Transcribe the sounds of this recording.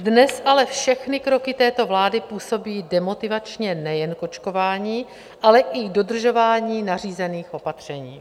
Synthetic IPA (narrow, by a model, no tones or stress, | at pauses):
dnɛsʔalɛfʃɛxnɪkɾo̞kɪt̪ɛːt̪o̞vlaːdɪpuːso̞biːdɛmo̞t̪ɪvat͡ʃɲɛnɛjɛnko̞t͡ʃko̞vaːɲiː | ʔalɛʔɪɡdo̞dr̩ʒo̞vaːɲiːnariːzɛniːxʔo̞pat̪r̝̥ɛɲiː